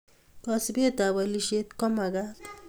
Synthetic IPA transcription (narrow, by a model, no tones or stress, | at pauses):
kɔsbet̪awaliʃet̪kɔmaɡat̪